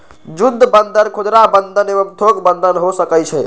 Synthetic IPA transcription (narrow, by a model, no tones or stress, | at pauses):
d͡ʒud̪ʱbənd̪ʱənkʰod͡ʒɾabənd̪ʱənebəmt̪ʰokbənd̪ʱənɦosəkət͡ʃʰɛ